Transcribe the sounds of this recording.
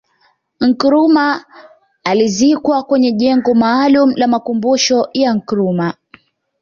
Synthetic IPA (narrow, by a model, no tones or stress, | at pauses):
ŋ̩kɾuma | alizikwakwɛɲɛʄɛŋɡɔmaːlum̩lamakumbuʃɔjaŋ̩kɾuma